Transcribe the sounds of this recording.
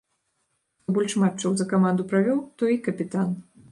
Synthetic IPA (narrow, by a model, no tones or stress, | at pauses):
t̪ɔbɔlʲʂmatt͡ʂɐwzɐkamand̪upɾavʲɔwt̪ɔikɐpʲit̪an